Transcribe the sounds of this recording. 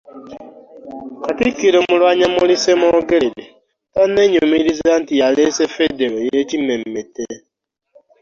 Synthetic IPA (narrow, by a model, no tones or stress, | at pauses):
katikːiɾomulwaːɲamulisemoɡeɾde | tane̞ɲumiɾizantijalesefedeɾojecimemete